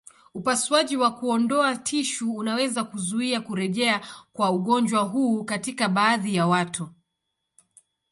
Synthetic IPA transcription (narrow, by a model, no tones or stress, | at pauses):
upaswaʄiwakuɔndɔatʰiʃuːnawɛzakuzuiakuɾɛʄɛakwauɠɔnd͡ʒwaɦuːkatikaɓaːðijawatu